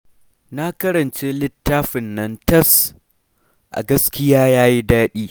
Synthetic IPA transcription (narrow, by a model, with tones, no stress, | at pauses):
na˦kɐ˦ɾɐ˨nt͡ʃe˦lɪ˦tːaː˦ɸɪ˨nːɐ˦ntɐ˦s | ʔa̰˨ɡɐ˦skʲɪ˦jaː˦jaː˦ji˦daː˦ɗiː˦